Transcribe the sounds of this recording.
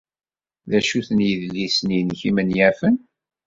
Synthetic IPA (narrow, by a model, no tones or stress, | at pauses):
ðæʃuθənjəðlːisninçimənjæfən